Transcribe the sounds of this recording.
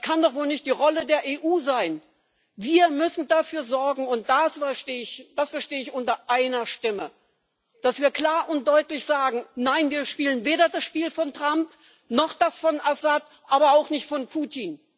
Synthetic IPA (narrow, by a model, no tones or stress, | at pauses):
skʰandɔχvoːlnɪçt̚d̥iːʁɔlədeːɐʔeːʔuːzaɪn | viːɐmʏsn̩dafyːɐzɔɐɡŋ̩ʊnt̚d̥asfɛʃteːɪçd̥asfɛɐʃteːəɪçʔʊntɐʔaɪnɐʃtɪmə | d̥asv̥iːɐkl̥aːɐʔʊnt̚d̥ɔʏtlɪçz̥aːɡŋ̩naɪnviːɐʃpiːlənveːɾɐdasʃpiːlfɔntʁ̥amp | nɔχd̥asfɔnʔasat | ʔaːbɐaʊxnɪçtfɔnpʰuːtʰin